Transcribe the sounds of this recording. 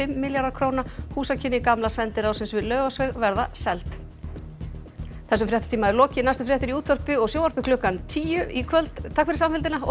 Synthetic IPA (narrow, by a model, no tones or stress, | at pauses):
ɪmːɪljaɾðaɾkʰɾownahuːsacʰɪnːɪkamlasɛnt̪ɪɾawsɪmsvɪlœːɣasvɛɣvɛɾðasɛlt̪ | θɛsːʏmfɾjɛht̪ɪ̥t̪ʰiːmaɛɾlɔːcɪnajst̪ʏfɾjɛht̪ɪɾiuːt̪ʰːœrpɪɔɣsjoːwvaɾpɪkʰlʏhkant̪ʰiːjʏikʰvœlt̪t̪ʰaːkvɪɾɪsamfɪlt̪ɪnaɔ